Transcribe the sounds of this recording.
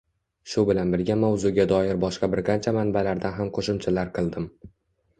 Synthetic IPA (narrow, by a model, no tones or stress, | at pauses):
ʃʊbɪlanbɪɾɡʲamawzʊɡʲad̪ɒjɪɾbɒʃqɑbɪɾqʰɑnt͡ʃʰamanbalaɾd̪anɦamqʰoʃʊmt͡ʃʰalaɾqʰɨlˠd̪ɪm